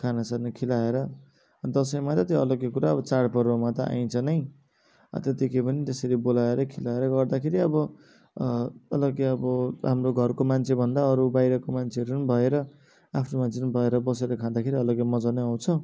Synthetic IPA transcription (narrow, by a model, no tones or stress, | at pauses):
kʰanasarnʌkʰilaeɾʌ | d̪ʌsʌjmat̪ʌt̪joʌlʌkekuɾaʌbʌt͡saɽpʌrwamat̪ʌʔa̰j̃nt͡sʰʌnʌj | ʌ̰t̪et̪ikepʌnit̪esʌɾibolaeɾʌkʰilaeɾʌɡʌrd̪akʰeɾiʌbʌ | ʌlʌkeʌbʌɦamroɡʱʌrkomant͡sʰebʱʌnd̪aʌɾubajɾʌkomant͡sʰeɦʌɾunbʱʌeɾʌ | apʰnomant͡sʰenbʱʌeɾʌbʌseɾʌkʰãd̪akʰeɾiʌlʌɡemʌd͡zʌneɦʌw̃t͡sʰʌ